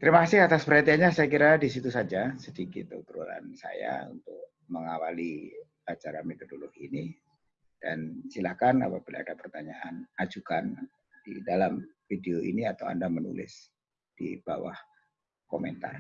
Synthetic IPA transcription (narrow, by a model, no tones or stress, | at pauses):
t̪əɾimakasɪkat̪aspəɾat̪iaɲasajakiɾadisit̪usad͡ʒasədikɪt̪ət̪əɾula̰nsa̰ja̰ṵnt̪ʊk̚ | məŋawali | at͡ʃaɾamid̪ədulʊhini | d̥a̰nsilahkana̰pabila̰ːdapərt̪aɲaʔanad͡ʒukan | d̥idalamfideoʔḭniat̪awa̰ndamənṵlɪ̰s | d̥ḭb̥a̰wa̰h | komɛnt̪a̰r